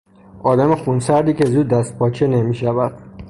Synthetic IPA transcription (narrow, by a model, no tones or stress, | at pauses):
ʔɒːd̪æmexunsæɾd̪iːkʲe̞zuːd̪̚ːæst̪̚pʰɒːt͡ʃʰenemiʃævæd̪̥